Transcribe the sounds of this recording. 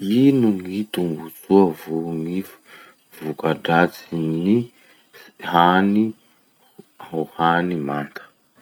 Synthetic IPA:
inuŋit̪umbut͡suəvuŋifu̥ | v̥ukaɖ͡ʐat͡sini | hani | hohanimant̪ʰə̥

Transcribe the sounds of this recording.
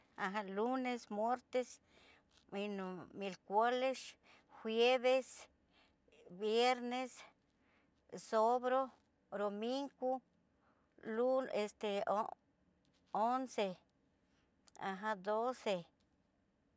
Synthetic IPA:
aɦãlunesmweɾt̪es | minomilkʷales | hweβes | bjeɾnes | sobɾo | ɾomiŋɡu | luest̪eo | onse | a̰ɦãd̪ose

